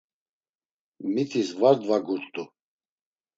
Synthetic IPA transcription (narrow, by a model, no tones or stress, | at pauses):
mit̪ʰisvaɾd̪vaɡuɾʼt̪ʼu